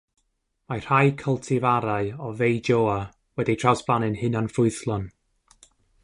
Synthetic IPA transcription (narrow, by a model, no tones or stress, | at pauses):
mar̥hajkʰəlˠtʰɪvaɾaɨɔvejd͡ʒoːa | wɛditʰr̥awsb̥lanɪnhɨnanfʊɨθlˠɔn